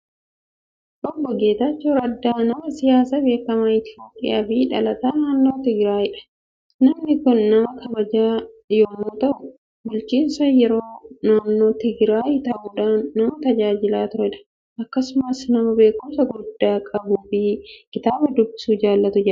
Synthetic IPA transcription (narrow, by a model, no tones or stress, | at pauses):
ʔɔbːɔɡe̞ːt̪ɐt͡ʃːoɾɐd̪ːaːnɐmɐsɪjaːsɐbe̞ːkːɐmɐɪt̪ɪoːpʼɪ̰ja̰ːfɪᶑɐlɐt̪aːnaːnːo̞ːt̪ɪɡɾaːjɪᶑɐ̥ | nɐmnɪkʊnːɐmɐkɐbɐd͡ʒaːjoːmːʊt̪ɐʔʊ | bʊlt͡ʃiːnsɐjɛɾoːnaːnːo̞ːt̪ɪɡɾaːjɪt̪ɐʔuːᶑaːnːɐmɐt̪ɐd͡ʒaːd͡ʒɪlaːt̪ʊɾɪᶑɐ̥ | ʔɐkːɐsʊmɐsnɐmɐbe̞ːkʊmsɐɡʊd̪ːaːkʼɐbuːfɪkɪt̪aːbɐd̪ʊbːɪ̥suːd͡ʒaːlːɐt̪ʊd͡ʒɛᶑɐ